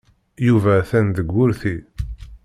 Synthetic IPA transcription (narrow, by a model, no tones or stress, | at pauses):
juvæθænðəɡʷːʊɾθi